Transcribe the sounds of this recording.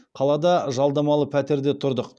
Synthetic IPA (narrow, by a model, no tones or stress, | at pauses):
qʰɑlˠɑd̪ɑʒɑlˠd̪ɑmɑlˠəpʰæt̪e̞ɾd̪e̞t̪ʰʊɾd̪əq